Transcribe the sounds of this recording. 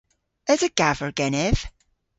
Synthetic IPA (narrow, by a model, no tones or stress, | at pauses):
əzəɡ̥avəɹɡ̥ɛnɪv̥